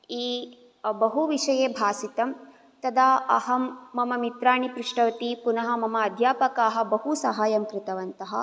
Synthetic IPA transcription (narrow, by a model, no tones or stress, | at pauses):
iː | bɐɦuʋiʂɐjeːbʱaːsit̪ɐm | t̪ɐd̪aːɐ̰ɦɐmːɐmɐmit̪ɾaːɳipɾuʂʈɐʋɐt̪ipunɐɦɐ̆mɐmɐːd̪ʱjaːpɐkaːɦɐ̆bɐɦusɐɦaːjɐmkɾɪt̪ɐʋɐnt̪ɐɦɐ̰̆